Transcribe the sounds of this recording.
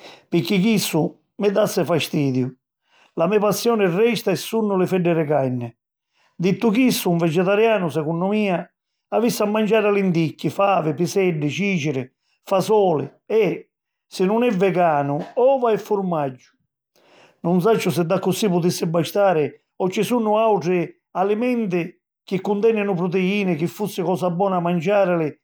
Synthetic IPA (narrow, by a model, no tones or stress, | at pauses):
pɪkːikisːu | mɪd̪asːɪfaʃt̪iːd̪jʊ | lamɛpasːjɔːnɪrːɛʃt̪aɛsːunːʊlɪfɛɖːɛɾɪkajnːɪ | d̪it̪ːukisːuuɱvɛd͡ʒɛt̪aɾjaːnʊs̬ɛkunːɔmiːa | avisːamːand͡ʒaːɾalind̪ikːifaːvɪpisɛɖːɪt͡ʃiːt͡ʃɪɾɪ | fasɔːlɪ̰ | ɛ | sɪnːʊnɛvːɛɡaːnʊɔːvaɛfːʊɾmad͡ʒːʊ̥ | nuns̬at͡ʃːʊs̬ɪd̪ːakːʊsipʊt̪̬isːɪbaʃt̪aːɾɪ | ɔt͡ʃːɪsunːʊawʈɾɪ | alɪmɛnt̪̬ɪ | k̟ɪkːʊnt̪ɛnːɪnʊpɾʊt̪̬eiːnɪk̟ɪfːusːɪkɔːsabːɔːnamand͡ʒaːɾɪlɪ